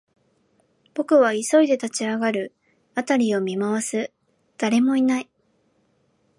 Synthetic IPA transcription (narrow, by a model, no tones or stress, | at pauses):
b̥o̞kɯ̟β̞aiso̞id̪e̞t̪at͡ɕiaɡaɾɯ̟ | at̪aɾʲio̞mʲimaβasɨ | d̪̥aɾe̞mo̞inai